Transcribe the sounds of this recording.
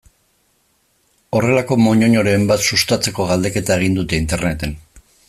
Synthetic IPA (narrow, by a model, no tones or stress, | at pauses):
o̞re̞lako̞mo̞ɲo̞ɲo̞ɾe̞mbat̪sust̪at͡se̞ko̞ɣ̞ald̪e̞ke̞t̪ae̞ɣ̞ind̪ut̪e̞int̪e̞ɾne̞t̪e̞n